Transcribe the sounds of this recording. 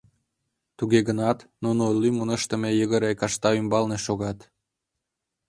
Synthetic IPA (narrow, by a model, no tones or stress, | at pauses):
t̪uɣeɣənɑt̪nunolymunəʃt̪ə̆mejəɣəɾekɑʃt̪ɑymbɑlneʃoɣɑt̪